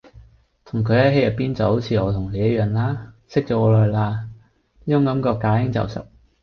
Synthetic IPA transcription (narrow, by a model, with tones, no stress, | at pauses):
t̪ʰʊ˨˩ŋkʰɵ˨˧ɥjɐ˥he˧˥jɐ˨t̚piː˥nt͡sɐ˨who˨˥wt͡sʰiː˨˧ɔː˨˧t̪ʰʊ˨˩ŋle˨˧jɐ˥jœː˨ŋlaː˥sɪ˥k̚t͡sɔː˨˥ɔː˨˧lɔː˨˧jlaː˧ | iː˥t͡ʃʊ˥ŋkɐ˨˥mkɔː˧kːaː˨˧˥ɪ˥ŋt͡sɐ̰˨˩wsɪ̰˥k̚